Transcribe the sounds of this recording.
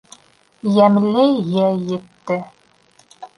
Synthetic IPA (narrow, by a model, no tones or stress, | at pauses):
jæmlɘjæjɘ̆t̪ːɘ